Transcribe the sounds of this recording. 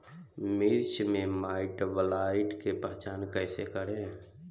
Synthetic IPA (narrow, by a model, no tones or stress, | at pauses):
miɾt͡ʃmẽmaːɪʈbəlaːɪʈkepəɦt͡ʃaːnkɛːsekəɽẽ